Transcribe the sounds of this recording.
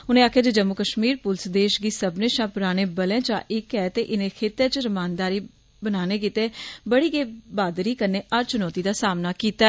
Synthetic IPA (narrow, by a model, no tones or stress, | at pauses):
ʊnẽːaːkʰjaːd͡ʒed͡ʒəmːʊkəʃmiːɾpʊlsd̪eːʃɡiːsəbnẽːʃãːpʊɾaːɽ̃eːbəlɛ̃ːt͡ʃã̰ːʔɪkɛːt̪eːʔɪnẽːkʰet̪ẽːt͡ʃɾəmaːnd̪aːɾiː | bənaːneːk̬iːt̪eːbəɽiːɡeːbaːd̪ɾiːkəɾneːʔəɾt͡ʃʊnɔːt̪iːd̪aːsaːmnaːkiːt̪a